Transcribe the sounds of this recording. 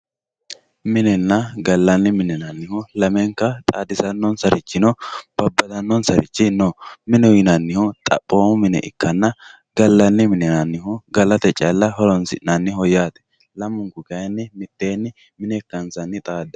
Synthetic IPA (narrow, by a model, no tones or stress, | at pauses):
mɪnɛnːɐɡɐlːɐnːɪmɪnɛnɐnːɪhʊlɐmɛŋkɐt̪ʼaːd̪ɪsɐnːɔnsɐɾɪt͡ʃːɪnɔb̥ɐbːɐd̪ɐnːɔnsɐɾɪ̰t͡ʃːɪnɔmɪnɛjɪnɐnːɪhʊt̪ʼɐ̰pʼːoːmʊmɪnɛ̰ʔɪ̰kːɐnːɐ | ɡɐlːɐnːɪmɪnɛnɐnːɪhʊɡɐlɐt̪ɛt͡ʃʼɐlːɐhɔlɔnsɪʔnɐnːɪhɔjaːt̪ɛ̥ | lɐmːʊŋkʊɡɐjɛnːɪmɪt̪ːeːnːɪ | mɪnɛkːɐnsɐnːɪt̪ʼaːd̪ɐ